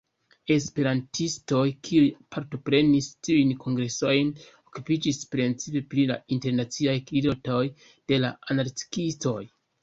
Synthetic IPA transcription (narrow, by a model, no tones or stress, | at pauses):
e̞spe̞ɾantisto̞jkʰiujpʰaɾto̞pɾe̞nistiujnkʰo̞ŋɡɾe̞so̞jn | o̞kupid͡ʒispɾent͡sipe̞pɾila̰inte̞ɾnat͡siajklidotoj | d̥e̞laanaɾti̥kisto̞j